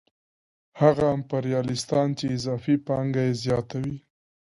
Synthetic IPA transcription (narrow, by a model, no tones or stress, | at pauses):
haɣaampaɾjɑlɪst̪ɑnt͡ʃeɪzɑfipɑŋɡajezjɑt̪awi